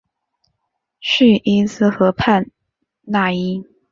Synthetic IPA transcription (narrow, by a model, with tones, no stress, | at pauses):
ɕy˥˩ʔi˥sɹ̩˥xɤ˧˥pʰa˥˧n | na˥˩i˥